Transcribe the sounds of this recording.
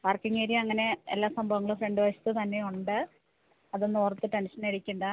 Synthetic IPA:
paːrkiŋːeːɾjɐɐŋːɐne̞ḛlːaːsɐmbʱɐʋɐŋːɐɭɨfreɳɖɨʋɐɕɐ̥t̪ːɨt̪ɐnːe̞uɳɖɨ | ɐðɨnːoːrt̪ːɨʈe̞nʂɐneɽikʲːuɳɖɨ

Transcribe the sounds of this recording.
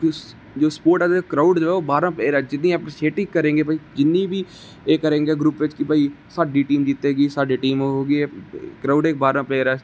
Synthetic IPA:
d͡ʒoːspoːɾʈɛːkɾaːʊɖd͡ʒoːɛːoːbaːɾãːpɛeɾɛːd͡ʒɪd̪nĩːəpɾʃeːʈɪkkːəɾẽːɡeːpaiːkɪnːĩːbʱiː | eːkəɾẽːɡeːɡɾuːpʋɪt͡ʃkɪpaːiː | saːɖiːʈiːmd͡ʒiːt̪eːɡiːsaːɖiːʈiːmoːɦoːɡiːɛkɾaːʊɖeːk̚baːɾãːpɛɾɛː

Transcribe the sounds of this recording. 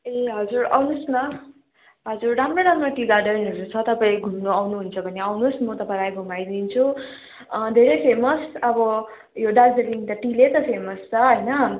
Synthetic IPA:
eɦʌd͡zuɾa̰wnusnʌ | ɦʌd͡zurɖamroɽamroʈiɡarɖʌrnuɾut͡sʰʌt̪ʌpaileɡʱumnoawnuɦunt͡sʰʌbʱʌniawnusmʌt̪ʌpãajɡumajd̪int͡sʰu | d̪ʱeɾepʰemʌsʌbʌ | joɖald͡zʌrliŋt̪ʌʈilet̪ʌpʰemʌst͡sʌɦʌjnʌ

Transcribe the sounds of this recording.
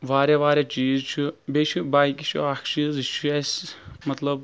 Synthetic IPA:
ʋaːɾʲaʋaːɾʲjat͡ʃiːzt͡ʃʰubeːt͡ʃʰubaːjkit͡ʃʰṵakʰt͡ʃiːzt͡ʃʰuesmɐt̪lɐb̚

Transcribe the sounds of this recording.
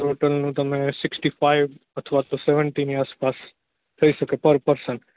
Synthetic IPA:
ʈoʈəlnũt̪əmesɪksʈifaiʋət̪ʰʋat̪oseʋəɳʈiniaspas | t̪ʰəiʃəkepəɾpəɾsəɳʈ

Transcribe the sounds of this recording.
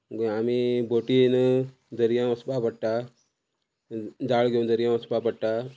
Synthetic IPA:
ɡamibʱoʈin | d͡zəɾjãəsbapəɽʈa | d͡zaɭɡʱeund͡zəɾjãəspapəɽʈa

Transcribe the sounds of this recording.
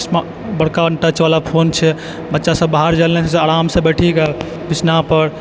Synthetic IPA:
sm | bəɽ̤kaəɳʈət͡ʃʋalapʰont͡ʃʰɛ | bətːʃasə̃bbaɦaɾd͡ʒalnɛt͡ʃʰɛseəɽamsə̃beʈʰikɛl | bit͡ʃnapəɾ

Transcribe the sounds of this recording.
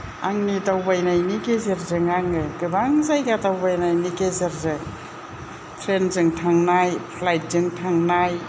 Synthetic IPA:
aŋnitawbajnajnikezeɾzɯŋaŋɯɡɯbaŋzajɡatawbajnajnikezeɾzɯŋ | tʰɾenzɯŋtʰaŋnajpʰlajt̚zɯŋtʰaŋnaj

